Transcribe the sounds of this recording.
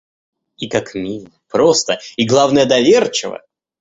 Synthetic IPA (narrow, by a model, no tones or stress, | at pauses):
ikakmʲil | pɾo̞st̪əiɡlˠavnəjəd̪ɐvʲert͡ɕɪ̰və̰